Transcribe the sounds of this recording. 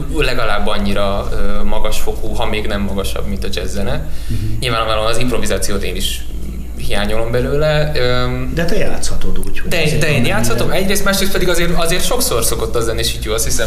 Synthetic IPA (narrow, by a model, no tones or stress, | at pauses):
lɛɡɒlaːbːɒɲːiɾɒøːmɒɡɒʃfo̞koːɦɒmeːɡnɛmːɒɡɒʃɒ̰bmint̪ɒd͡ʒɛzːɛnɛɲilvaːnonaːlomɒzimpro̞vizaːt̪sijoːt̪ḛːniʃ | hijaːɲolo̞mbɛløːlɛød̪ɛt̪ɛjaːt̪shɒt̪od̪uːɟd̪ɛːd̪ɛeːnjaːt̪shɒt̪o̞mɛɟreːst̪maːʃɾeːst̪pɛd̪iɡɒzeːrt̪ɒzeːrt̪ʃo̞kso̞rso̞ko̞t̪ːɒzɛnːieːʃiːɟoɒst̪hisɛm